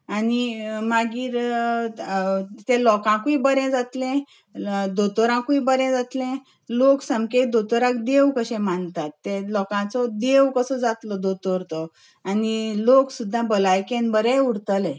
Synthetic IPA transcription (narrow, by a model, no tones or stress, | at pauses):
animaɡiːɾ | t̪elɔkãkuibəɾɛ̃d͡zat̪lɛ̃ | d̪ot̪ɔɾãkuibəɾɛ̃d͡zat̪lɛ̃ | loksəmket̪̚d̪ot̪ɔɾãkd̪ewkəɕɛ̃mant̪at̪ːẽlɔkãt͡sɔd̪ewkəsɔd͡zat̪lɔd̪ot̪ɔɾt̪ɔ | aniloksud̪ʱːãbəlajkẽnbəɾɛ̃uɽt̪əlɛ̃